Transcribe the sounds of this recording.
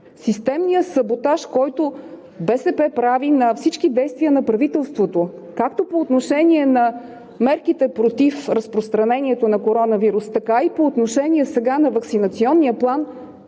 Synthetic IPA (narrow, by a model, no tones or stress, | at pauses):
sist̪ɛmniəsɐbot̪aʃkɔjt̪o | bɛsɛpɛpɾavinɐfsit͡ʃkid̪ɛjst̪viənɐpɾɐvit̪ɛlˠst̪vot̪o | kakt̪opoːt̪noʃɛniɛnɐ | mɛɾkit̪ɛpɾot̪ifɾəspɾost̪ɾɐnɛniɛt̪onɐkoɾɔnəviɾust̪ɐkaipoːt̪noʃɛniɛsɛɡanɐvəksinɐt̪siɔnːiəplˠan